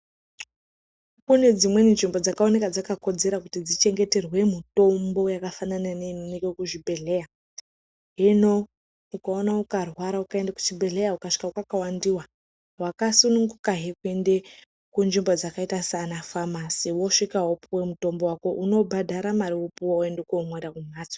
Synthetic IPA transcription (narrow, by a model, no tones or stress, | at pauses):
kune̞d͡zimwe̞ninʐimbo̞d͡zakaone̞kad͡zakako̞d͡ze̞ɾakutid͡zit͡ʃe̞ŋɡe̞te̞rwe̞mito̞mbo̞jakafanananeninikekuʐibʱe̞ɮe̞ja | ɦeno | ukaonaukarwaɾaukaendaku̥t͡ʃibʱe̞ɮe̞jaukaʂi̥kaukakawandiwa | wakasunuŋɡukaɦekue̞nde̞ | kunʐimbo̞d͡zakaitasanafamasiwo̞ʂikaɦopuwemuto̞mbo̞wako̞ʔuno̞bʱadʱaɾamaɾiwopuwaoe̞ndekumwedakumaːt͡so